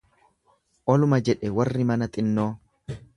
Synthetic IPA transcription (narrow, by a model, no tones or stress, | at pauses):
ʔɔlʊmɐd͡ʒɛᶑɛwɐrːɪmɐnɐt̪ʼɪnːo̞ː